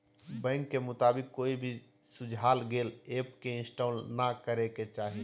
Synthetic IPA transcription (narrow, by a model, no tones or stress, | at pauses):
bɛ̃ŋkːemʊt̪aːbɪkːoːibʱi | sʊd͡ʒʱaːlɡeːleːpkeɪ̃nsʈaːlnakəɾeket͡ʃaːɦi